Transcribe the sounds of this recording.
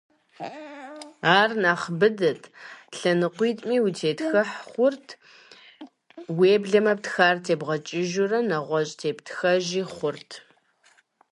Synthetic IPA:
aːrnaːχbɨdɨtʰɬɐnɨqʷiːtʼmiːwutʰeːtxɐħχʷʊrtʰ | weːbɮɐmɐp̚txaːrtʰeːbʁɐt͡ʃʼɪʒʊrɐnɐʁʷɔɕʼtʰeːptxɐʒiːχʷʊrtʰ

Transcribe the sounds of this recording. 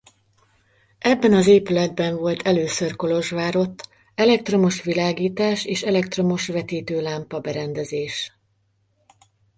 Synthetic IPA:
ɛbːɛnɒzeːpylɛd̪̚bɛɱvo̞lt̪ʰɛløːsørko̞lo̞ʒʋaːɾo̞t̪ː | ɛlɛk̚t̪ro̞mo̞ʃʋilaːɡiːt̪aːʃeːʃɛlɛk̚t̪ro̞mo̞ʃʋɛt̪iːt̪øːlaːmpɒbɛɾɛnd̪ɛzeːʃ

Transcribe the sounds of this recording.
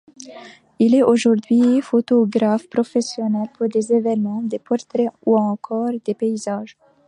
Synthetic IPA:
ilɛoʒuʁd̪ɥifot̪ɔɡʁafpχɔfɛsjɔnɛlpʰuʁd̪ezevɛnmɑ̃d̪epɔʁt̪ɾɛuɑ̃kʰɔʁd̪epeizaːʒ

